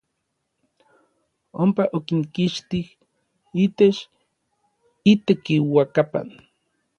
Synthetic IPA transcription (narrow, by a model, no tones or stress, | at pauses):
ompaʔokinkiʃt̪ih | iːt̪et͡ʃ | it̪ekiwakapa̰n